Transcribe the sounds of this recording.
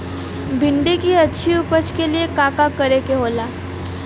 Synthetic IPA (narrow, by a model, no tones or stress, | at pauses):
bʱɪɳɖikiɐtːʃʰiʊpət͡ʃkeliekaːkakɐɾekeɦoːlaː